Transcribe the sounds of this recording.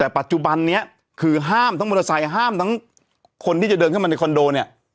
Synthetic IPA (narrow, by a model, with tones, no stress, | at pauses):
t̪ɛː˨˩pa˨˩t̪̚t͡ɕu˨˩ba˧nːi˦˥ɐ | kʰɯː˧ɦaː˥˩mt̪ʰa˦˥ŋmu˧la˧sa˨˩jɦaː˥˩mt̪ʰa˦˥ŋ | kʰo˧nt̪ʰiː˥˩t͡ɕa˨˩dɤː˧nkʰa˥˩ma˧na˧kʰɔ˧ndoː˧ni˦˥˩ɐ